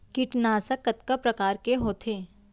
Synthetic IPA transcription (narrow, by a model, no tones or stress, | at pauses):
kɪʈnaːsakɐt̪kapɾɐkaːɾkeɦoːt̪ʰeː